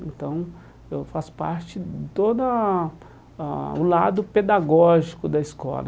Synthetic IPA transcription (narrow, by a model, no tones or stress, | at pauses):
ẽnt̪ɐ̃w̃ | ewfasʊ̥pa̰ɾt͡ʃɪt̪od̪ɐ | aʊlad̪ʊped̪aɡɔʒikʊd̪ɐiskɔ̰lɐ